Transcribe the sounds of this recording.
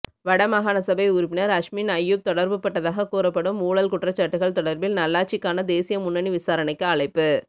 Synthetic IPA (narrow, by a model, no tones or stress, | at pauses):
ʋɐɽɐmɐɣaːnɐsɐbɐɪʊɾʊpːɪnɐɾɐʂminɐjːɯk̚t̪ɔɽɐɾbɯpːɐʈːɐðaːɣɐkuːɾɐpːɐɽɯmuːɭɐlkʊʈrɐt͡ʃːɐʈːɯɣɐɭt̪ɔɽɐɾbɪlnɐlːaːt͡ʃːɪkːaːnɐd̪eːsɪjɐmʊnːɐniʋɪsaːɾɐnɐɪkːɯɐɭɐɪpːɯ